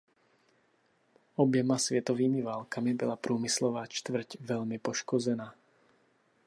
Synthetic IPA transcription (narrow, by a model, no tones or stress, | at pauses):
ɔbjɛmasʋɛt̪ɔʋiːmiʋaːlkamibɔlapɾuːmislɔʋaːt͡ʃt̪ʋr̩cʋɛʎmipɔʃkɔd͡zɛnaː